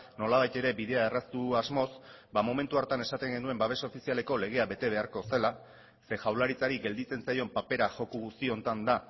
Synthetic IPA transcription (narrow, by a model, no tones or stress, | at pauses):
no̞laβ̞ajt̪e̞ɾe̞biðe̞aerast̪uazmo̞sbamo̞me̞nt̪uaɾt̪ane̞sat̪e̞ŋɡe̞nue̞mbaβe̞saofisiale̞ko̞le̞ɣ̞e̞aβe̞t̪e̞β̞e̞aɾko̞se̞la | se̞ʝawlaɾit͡saɾiɡe̞ld̪it͡se̞nsajo̞mpape̞ɾaʝo̞kuɣust̪io̞nt̪and̪a